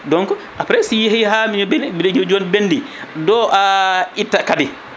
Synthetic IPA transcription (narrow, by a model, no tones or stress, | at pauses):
dɔŋkɔ | ʔapɾɛsijhiɦamiɲɔbɛnbidɛd͡ʒod͡ʒonbenːdi | dɔʔaitːakadɛ